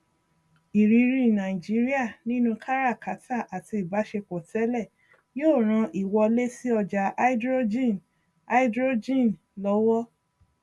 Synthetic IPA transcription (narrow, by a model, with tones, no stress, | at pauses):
i˨ɾi˧ɾi˧˨nã˨ĩ˨d͡ʒi˨˦ɾi˦a˦˨nĩ˦nũ˧kʰa˦ɾa˦˨ka˨˦tʰa˦˨ʔa˨ti˧i˨ba˨˦ʃe˧kɔ˨tʰɛ˨˦lɛ˦˨ | joː˦˨ɾ̃ã˧ʔi˨wɔ˧le˦si˦ɔ˧d͡ʒa˧ʔa˦i˦dɾo˦d͡ʒĩ˦˨n | a˧˦i˦dɾo˦d͡ʒĩ˦˨n | lɔ˨˦wɔ˦